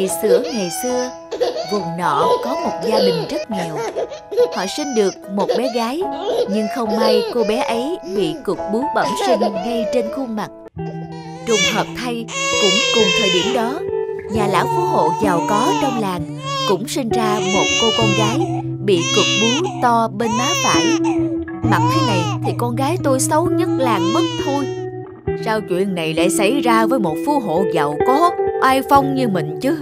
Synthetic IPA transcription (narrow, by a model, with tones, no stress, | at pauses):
sɨ˧˩əŋa˨˩jsɨ˧ə | vʊ˨˩ŋ͡mnɔ̰˧˨kɔ˨˦mo˨˩t̚zaː˧ɗï˨˩ŋ̟zə˦˥t̚ŋi˨˩əw | hɔ̰˧˨sï˧ŋ̟ɗɨ˨˩ək̚mo˨˩t̚ɓɛ˨˦ɣaː˨˦jɲɨ˧ŋxə˧wŋ͡mmaː˧jko˧ɓɛ˨˦ʔə˨˦jɓḭ˧˨kʊ˨˩k̚ɓu˨˦wɓə̰˧˩msï˧ŋ̟ɣa˧jt͡ɕe˧nxu˧ŋma˨˩t̚ | t͡ɕʊ˨˩ŋ͡mhəː˨˩p̚t̪ʰa˧jkʊ̰˧˥ŋ͡mkʊ˨˩ŋ͡mt̪ʰəː˨˩jɗi˧˩əmɗɔ˨˦ɲaː˨˩la̰ː˧˥˩wfu˨˧˥ho̰˧˨za˨˩wkɔ˨˦t͡ɕɔ˧wŋ͡mlaː˨˩ŋ | kʊ̰˧˥ŋ͡msï˧ŋ̟zaː˧mo˨˩t̚ko˧kɔ˧nɣaː˨˦j | ɓḭ˧˨t͡ɕʊ˨˩k̚ɓi˨˦wt̪ɔ˧ɓe˧nmaː˨˦fa̰ː˧˨j | ma˨˩t̚t̪ʰa˨˦jna˨˩jt̪ʰi˨˩kɔ˧nɣaː˨˦jt̪o˧jsə˨˦wɲə˦˥t̚laː˨˩ŋmə˦˥k̚t̪ʰu˧j | saː˧wt͡ɕwḭ˧˨ənːa˨˩jla̰ː˧˥jsa˧˩jzaː˧vəː˨˦jmo˨˩t̚fu˧˦ɦo̰˧˨za˨˩wkɔ˨˦˥ʔaː˧jfə˧wŋ͡mɲɨ˧mï˨˩ŋ̟t͡ɕɨ˨˦